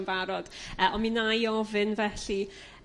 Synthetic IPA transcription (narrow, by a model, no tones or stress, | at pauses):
nvaɾɔd̥əʔɔnminajɔvɨnvɛɬi